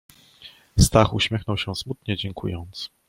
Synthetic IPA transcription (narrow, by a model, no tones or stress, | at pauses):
st̪axuɕmʲjɛxnɔwɕɛ̃smut̪ɲɛd͡ʑɛŋkʰṵjɔnt̪s